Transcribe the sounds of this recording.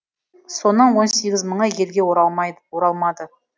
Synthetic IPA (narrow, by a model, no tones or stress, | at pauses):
so̞nəɴwo̞nse̞ɡʲɪzməɴəje̞lɡʲe̞woɾɑlˠmɑd̪ə